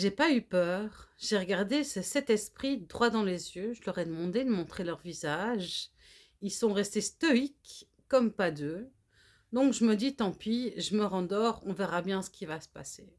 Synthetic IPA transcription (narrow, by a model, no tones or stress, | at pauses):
ʒepaypœʁʒeʁəɡaʁd̪esəsɛt̪ɛspχid̪ʁwad̪ɑ̃lezjøʒəlœʁɛd̪əmɑ̃d̪ed̪əmɔ̃t̪χelœʁvizaʒ | ilsɔ̃ʁɛst̪est̪ɔikː | ɔmpad̪ø | d̪ɔ̃kʒəməd̪it̪ɑ̃piʒəməʁɑ̃d̪ɔʁɔ̃vɛʁabjɛ̃sə̥kʲivasə̥pa̰se